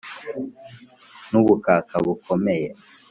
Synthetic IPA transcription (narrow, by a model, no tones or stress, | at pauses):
nuβukakʰaɡukʰomeje